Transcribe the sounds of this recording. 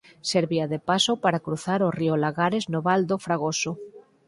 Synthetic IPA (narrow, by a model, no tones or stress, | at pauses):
seɾβiaðepasopaɾakɾuθaɾoriolaɣaɾeznoβald̪ofɾaɣ̞oso